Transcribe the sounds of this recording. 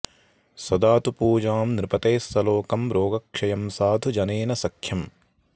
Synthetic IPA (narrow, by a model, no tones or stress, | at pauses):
sɐd̪aːt̪upuːd͡ʒaːmnɾɪpɐt̪eːst̪ɐloːkɐmɾoːɡɐkʂɐjɐmsaːd̪ʱud͡ʒɐneːnɐsɐkʰjɐm